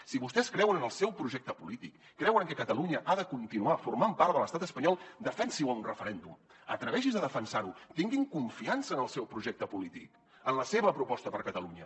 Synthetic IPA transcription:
siβust̪ɛskɾɛwənənəlˠsɛwpɾuʒɛk̚t̪əpulit̪ikːɾɛwəŋkəkət̪əluɲəʔaðəkunt̪inuafurmampaɾt̪ðələst̪at̪əspəɲɔlˠd̪əfɛnsiwəunrəfəɾɛnd̪umə̰t̪ɾəβɛʃ̬izðəðəfənsaɾut̪iŋɡiŋkuɱfiansəːnəlˠsɛwpɾuʒɛk̚t̪əpulit̪ḭk | ənləseβəpɾupɔst̪əpəɾkət̪əluɲə

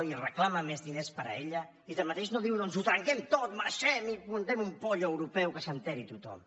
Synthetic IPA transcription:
irəklaməmezðinespəɾə̰eʎə | iðəmat̪eʃnoðiwnonzut̪ɾəŋkɛmt̪ot̪̚maɾʃɛmimunt̪ɛmumpoʎəwɾupɛwkəsənt̪ɛɾit̪ut̪ɔ̰m

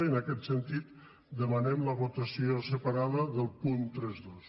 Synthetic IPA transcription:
ənəkɛt̪sənt̪it̪ | d̪əmənɛmləβut̪əsiosəpaɾaðəðəlˠpunt̪ɾɛzðos

